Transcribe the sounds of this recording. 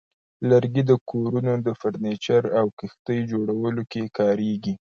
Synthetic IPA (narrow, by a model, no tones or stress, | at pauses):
ləɾɡid̪əkʰoɾunod̪əfaɾnet͡ʃaɾawkixt̪əjd͡ʒoɽawəlokekɑɾeɡi